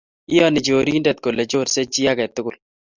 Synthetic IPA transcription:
ɪ˦jɔ˦nɪ˨d͡ʒoː˨ɾi˦ndɛ˨t̪̚ko˨le˨d͡ʒo˦ɾse˦t͡ʃi˦a˦kɛ˨t̪ʊ˦kʊ˨l

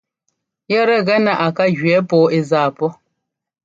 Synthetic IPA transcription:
jɛ˦ɾɛ˦ɣɛ˦na˨ʔa˨ka˦ɣɥɛ˨˦pɔː˨˦e˦zaː˦˨pɔ˦

